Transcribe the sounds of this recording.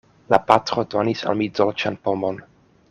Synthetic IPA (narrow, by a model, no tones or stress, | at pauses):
la̰patɾodonisa̰lmizolt͡ʃanpomon